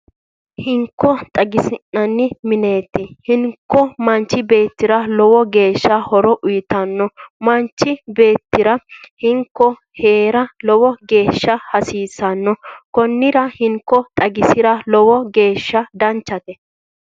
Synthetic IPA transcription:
hɪŋkːɔt̪ʼɐɡɪsɪnːɐnːɪmɪne̞ːt̪ːɪhɪŋkːɔmɐnt͡ʃːɪbe̞ːt̪ːɪɾɐlɔwɔɡe̞ːʃːɐhɔɾɔʔʊjɪt̪ɐnːɔmɐnt͡ʃːɪbe̞ːt̪ːɪɾɐhɪŋkːɔ | heːɾɐlɔwɔɡe̞ːʃːɐhɐsiːsɐnːɔkɔnːɪɾɐhɪŋkːɔt̪ʼɐɡɪsɪɾɐlɔwɔɡe̞ːʃːɐd̪ɐnt͡ʃːɐt̪ɛ

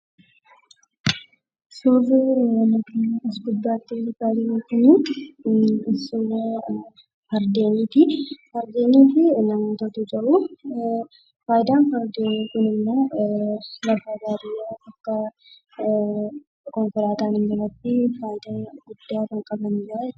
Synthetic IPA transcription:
soːbʊnɐkɪɪsɡʊd̪ːaːt̪ːɪkaːd̪ɪokːɪnɪ | sowo | fɐɾd̪eːniːt̪ɪfɐɾd̪eːniːt̪ɪnɐmɐt̪ɔt̪ʊd͡ʒɐʔʊ | faːjɪd̪aːnfɐɾd̪eːniːkʊnɪmːoː | lɐfaːbaːd̪ɪjaɐkːɐ | kɔŋkʊɾaːt̪aːnɪnd͡ʒɪɾɐt̪ːɪfaːjɪd̪aɡʊd̪ːaːt̪ɐŋkʼɐbɐnid͡ʒɪɾɐ

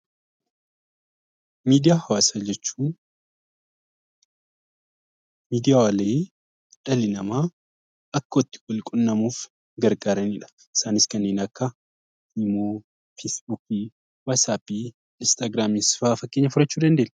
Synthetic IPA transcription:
miːd̪ɪjaːhɐwaːsaːd͡ʒɛt͡ʃːuː | miːd̪ɪjaːwale | ᶑɐlɪnɐmaː | ɐkːɐɔt̪ːɪ̥ɡɔlkʼʊnːɐmuːf | ɡɐɾɡaːɾɐniᶑɐ̥ | ʔɪ̥saːnɪskɐnːeːnɐkːɐ | ɪmoː | fesbukiː | waːsaːpiː | ɪnst̪aːɡɾaːmisfaːfɐkːeɲːɐfʊɾɐt͡ʃːuːd̪ɐnd̪e̞ːnːɛ

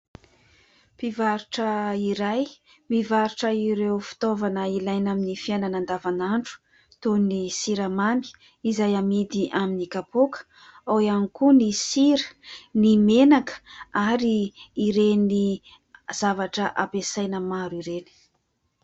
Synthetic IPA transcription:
pivaɾuʈ͡ʂəiɾaj | mivaɾuʈ͡ʂəiɾewfi̥t̪ovanəilajnaminifiananand̪avanaɳʈ͡ʂu̥ | t̪onisiɾamami̥ | izajamid̪iʔaminikapokə̥ | awianikunisiɾə̥nimenakə̥aɾiːɾeni | z̥avaʈ͡ʂəʔapesajnəmaɾiɾeni̥

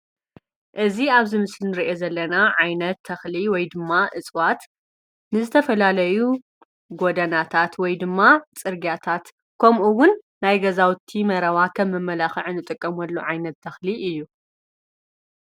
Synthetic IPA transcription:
ʔɨziaβzɨmɨslinɨɾiʔe̞zɐlːɐnaʕajnɐt̪ʰːɐxliwɔjd̪ɨmːaʔɨt͡sʼwat̪ | nɨzɨt̪ʰɐfɐlalɐju | ɡod̪ɐnat̪ʰat̪wɔjd̪ɨmːat͡sʼɨɾɡjat̪ʰat̪ | kʰomʔuwʊnː | ajɡɐzawt̪ʰimɐɾɐwakʰɐmːɨmːɐlaxɨʕnɨt̪ʼɨkʼːɐmɔlːoʕajnɐt̪ʰːɐxliʔɨjːu

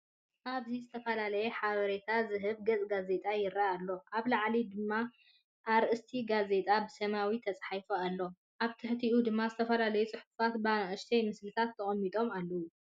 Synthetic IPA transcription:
ʔaβzizɨt̪ʰɐfɐlalɐjeħaβɐɾet̪ʰazɨɦɨβɡɐt͡sʼɡaze̞t̪ʼajɪɾaːlːo̞ʔaβlaʕlid̪ɨmːa | ʔːɾʔɨst̪ʰiɡaze̞t̪ʼabɨsɐmawit̪ʰɐt͡sʼħajfoalːo̞ | ʔaβt̪ʰɨħt̪ʰiʔud̪ɨmːazɨt̪ʰɐfɐlalɐjut͡sʼɨħufat̪banaʔɨʃt̪ʰejmɨslɨt̪ʰat̪ʰːɐχʼɐmːit̪ʼo̞malːɐwu

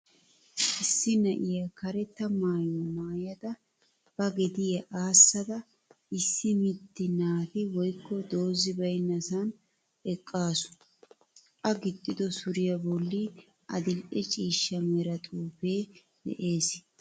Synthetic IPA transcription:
ʔɪsːɪnɐʔɪjɐkɐɾɛt̪ːɐmaːjɔmaːjɐd̪ɐ | b̥ɐɡɛd̪ɪjɐʔaːsːɐd̪ɐ | ɪsːɪmɪt̪ːɪnaːt̪ɪwɔjkːɔd̪o̞ːzɪbɐjnːɐsɐn | ɛkʼːaːsʊ̥ | ʔɐɡɪt̪ʼːɪd̪ɔsʊɾɪjɐbɔlːi | ɐd̪ɪlʔɛt͡ʃʼiːʃːɐmɛɾɐt̪ʼuːfe̞ː | dɛ̰ʔe̞ːs

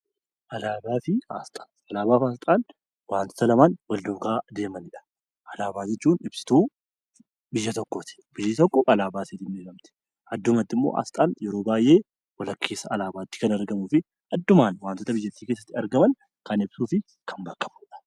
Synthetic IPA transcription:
ʔɐlaːbaːfɪa̰ːst̪ʼḁː | ɐlaːbaːfaːst̪ʼaːn | waːnt̪o̥t̪ɐlɐmaːnwɐld̪uːɡaːd̪e̞ːmɐnɪᶑɐ̥ | ʔɐlaːbaːd͡ʒɛt͡ʃːuːnɪbsɪ̥t̪uː | bɪjːɐt̪ɔkːot̪ɪ̥bɪjːɪt̪ɔkːɔɐlaːbaːseːt̪ɪmbeːkɐmt̪ɪ̥ | ɐd̪ːʊmɐt̪ːɪmːo̰ːʔa̰ːst̪ʼaːnjɛɾo̞ːbaːjʔe̞ː | wɐlɐkʰːe̞ːsɐɐlaːbaːt̪ːɪ̥kɐnɐɾɡɐmuːfɪ | ɐd̪ːʊmaːnwaːnt̪ot̪ɐbɪjːɐt̪ːiːkeːsːɐt̪ːɪɐɾɡɐmɐn | kɐnɪbsuːfɪ | kɐmbɐkːɐmʊᶑɐ̥

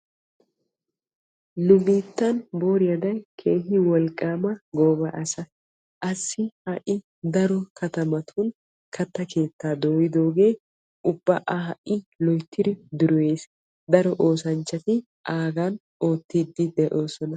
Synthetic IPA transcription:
nʊmiːt̪ːɐnbo̞ːɾɪjɐd̪ɐjkʰeːɦɪwɔlkʼːaːmɐɡoːbɐʔɐsɐ | ʔɐsːɪhɐʔɪ | d̪ɐɾɔkʰɐt̪ɐmɐt̪ʰuːn | kʰɐt̪ːɐkʰe̞ːt̪ːaːd̪o̞ːjɪd̪o̞ːɡe̞ː | ʔʊbːɐʔahɐʔɪlɔjt̪ʰːɪd̪ɪd̪ʊɾɔweːs | d̪ɐɾɔʔo̞ːsɐnt͡ʃːɐt̪ɪ | ʔaːɡɐn | ʔoːt̪ːiːd̪ːɪd̪ɛʔo̞ːsɔnɐ

